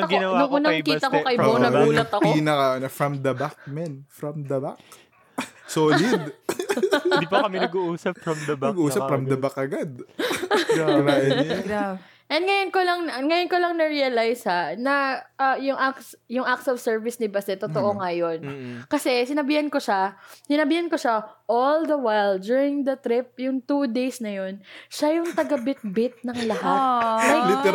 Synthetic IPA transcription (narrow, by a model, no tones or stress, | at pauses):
ɐɡnnʊŋʔuːnɐkiːɐkokɐjonɐuːɐt̪ɐkpiːnɐkaonɐfɹɐmd̪ɐbak̚mɛnfɾɐmd̪ɐbak̚ | soːlɪd̪ | d̪bakɐmɛɐɡuʔuːsɐpfnɐɡʔuːsɐpfɾɐmd̪ɐbakʔɐɡad̪̚ | laːjɐn | ʔɛnŋɐjonkolɐŋŋɐjonkolɐŋnɐɹiɐlajshanɐʔɐjʊŋʔaksjʊŋʔak̚sɔvsɛɹvɪsnɪbɐsɛt̪ːot̪oʔo̞ŋɐjo̞nkɐsɛsɪnɐbiːhɐnkoʃasɪnɐbiːhɐnkoʃaʔold̪ɐwajld̪juɹɪŋd̪ɐt̪ɾɪp̚jʊŋt̪ud̪ejsnɐjo̞nʃajʊŋt̪ɐɡɐbɪt̪̚bɪt̪̚nɐŋlɐɦat̪ajlɪt̪